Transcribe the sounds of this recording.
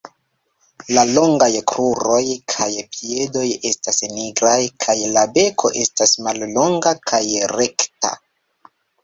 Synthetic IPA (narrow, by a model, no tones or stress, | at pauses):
lalo̞ŋɡajkɾuɾo̞jkʰajpie̞do̞je̞stasniɡɾajkʰajlabe̞kʰo̞̰ʔe̞stasmallo̞ŋɡakʰajɾe̞kta̰